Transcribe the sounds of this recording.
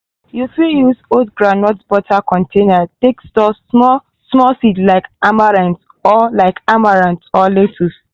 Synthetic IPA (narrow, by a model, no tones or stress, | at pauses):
jufijuzodɡɹanɔtbɔtʰakʰɔ̃ntʰenatekstɔ | smɔsitlaɪkamaɹãns | ɔlaɪkamaɹãnɔletʰus